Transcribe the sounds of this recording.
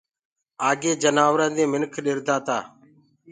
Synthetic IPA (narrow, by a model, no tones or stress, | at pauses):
aːɡeːd͡ʒənaːʋɾə̃ːd̪ẽːmɪnkʰɗɪɾd̪aːt̪aː